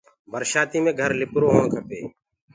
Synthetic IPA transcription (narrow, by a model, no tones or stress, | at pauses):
bəɾʃaːt̪iːmẽːɡʱəɾlɪpɾoːɦoːɳkʰəpḛː